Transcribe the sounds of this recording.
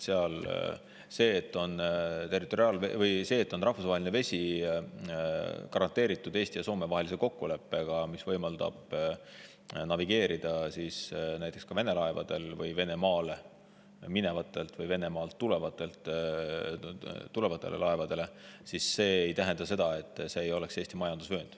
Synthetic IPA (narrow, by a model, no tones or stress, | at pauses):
seɑl | se̞ːt̪ːˑo̞nt̪e̞rˑit̪ːˑo̞ɾiɑːlvḛvɤjse̞ːt̪ːˑo̞nrɑhfusɑɦe̞lʲineve̞sʲi | kɑɾɑnt̪ːe̞ːɾit̪ːˑud̪e̞ːst̪iɑso̞ːme̞vɑɦe̞lise̞ko̞kːule̞pːe̞ɡ̥ɑmisvɤjmɑld̪ɑ̰b̥ | nɑviɡ̥e̞ːɾid̪̥ɑsisnæjt̪ːˑe̞kskɑve̞ne̞lɑe̞vɑ̰d̪̥e̞lvɯjve̞ne̞mɑːle̞ | mine̞vɑt̪ːˑe̞lt̪vɤjve̞ne̞mɑːlt̪ːule̞vɑt̪ːˑe̞lt̪ːˑ | t̪ule̞vɑt̪ːˑe̞lʔḛlɑevɑd̪̥e̞le̞sisːe̞ːejt̪æɦend̪̥ɑse̞d̪̥ɑe̞t̪ːˑse̞ːjo̞le̞kse̞ːsʲt̪imɑjɑnd̪usvø̞ːnd̪̥